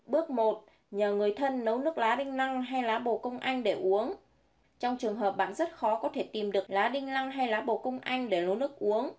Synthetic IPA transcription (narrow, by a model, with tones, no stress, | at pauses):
ɓɨ˦˥ək̚mo˨˩t̚ | ɲəː˨˩ŋɨ˨˩əjt̪ʰə˧nːə˨˦wnɨ˦˥ək̚laː˨˦ɗï˧ŋ̟la˧ŋɦa˧jlaː˨˦ɓo̰˧˨kə˧wŋ͡mʔa˧jŋ̟ɗe˧˩ʔu˨˦əŋ | t͡ɕɔ˧wŋ͡mt͡ɕɨ˨˩əŋɦəː˨˩p̚ɓa̰ː˧˨nzə˦˥t̚xɔ˨˦kɔ˨˦t̪ʰe˧˩t̪i˨˩mɗɨ˨˩ək̚laː˨˦ɗï˧ŋ̟la˧ŋɦa˧jlaː˨˦ɓo̰˧˨kə˧wŋ͡mʔa̰˧jŋ̟ɗe˧˩nə˨˦nɨ˦˥ək̚ʔu˨˦əŋ